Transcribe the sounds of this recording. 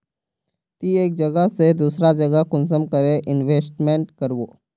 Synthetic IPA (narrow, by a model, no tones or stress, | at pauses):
t̪iːek̚d͡ʑəɡased̪uːsɾad͡ʑəɡakunsəmkəɾeʔinʋesʈmeɳʈkəɾʋo